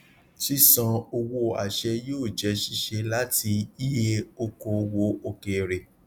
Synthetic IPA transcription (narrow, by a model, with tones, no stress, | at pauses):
ʃi˦sã˧o˧wo˧a̰˨ʃɛ˧joː˦˨d͡ʒɛ˨˧˦ʃi˧ʃe˧la˦ti˧i˦je˦o˧ko˧˨˧wo˨˦o˧ke˨ɾe˨